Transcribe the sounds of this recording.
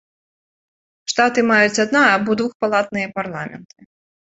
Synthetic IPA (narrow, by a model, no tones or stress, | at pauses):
ʂt̪at̪ɨmajut͡sʲad̪naːbɔd̪vuxpalˠat̪̚nɨjɐparlˠamʲɛ̰nt̪ɨ̥